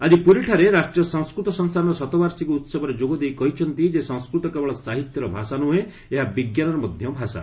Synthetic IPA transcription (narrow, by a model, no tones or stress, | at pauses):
ad͡ʒipuɾiʈʰaɾeɾasʈɾijɔsɔŋskɾut̪ɔsɔŋst̪ʰanɔɾɔsɔt̪ɔbaɾsikuut̪sɔbɔɾed͡ʒoɡɔd̪ejkɔɦit͡ʃʰɔnt̪id͡ʒesɔŋskɾut̪ɔkebɔɭɔsaɦit̪jɔɾɔbʱasanuɦe | eɦabiɡjanɔɾɔmɔd̪ʱjɔbʱasa̰